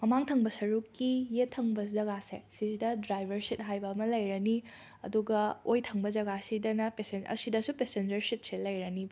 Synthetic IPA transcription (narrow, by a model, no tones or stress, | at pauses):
mɐmaŋtʰɐŋbɐsɐɾukːijetʰːɐŋbɐzɐɡasḛsisidɐdɾajbʱɐɾsit̚ɦajbɐːmɐlɐjɾɐni | ɐ̰duɡɐojtʰɐŋbɐd͡ʒɐɡasidɐnɐpesenɐ̰sidɐsupesend͡ʒɐɾsit̚selɐjɾɐnib